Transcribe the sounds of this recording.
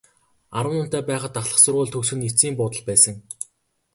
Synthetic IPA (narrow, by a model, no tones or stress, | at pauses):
aɾwə̆nʊn̥t̪æːpæːχə̆t̪aχɮə̆χsʊrʁʊːɮt̪ʰɵksɵ̆nit͡siːmpʊːt̪ə̆ɮpæːsə̆ŋ